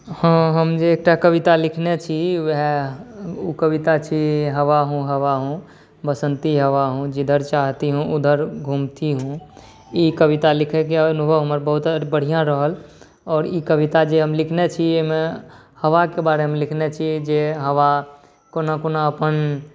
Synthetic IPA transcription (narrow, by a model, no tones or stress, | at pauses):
hə̃ɦəmd͡ʒeːk̚ʈakəbit̪alikʰnet͡ʃʰiʋɦ | ukəbit̪at͡ʃʰiɦəʋaɦũɦəʋaɦũ | bəsənt̪iɦəʋaɦũd͡ʒid̪ʱəɾt͡ʃaɦt̪iɦũʔud̪ʱəɾɡʱumt̪iɦũ | ikəbit̪alikʰɛkiənubʱəɦuməɾbəɦut̪bəɽ̤ijãɾəɦəl | ɔːɾikəbit̪ad͡ʒeɦəmlikʰnet͡ʃʰieɦme | həʋakebaɾeɦmelikʰnet͡ʃʰid͡ʒeɦəʋa | konakonaəpən